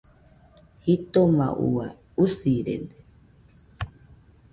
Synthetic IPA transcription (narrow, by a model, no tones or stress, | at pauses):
hit̪oma̰ʔṵa | usiɾḛnd̪e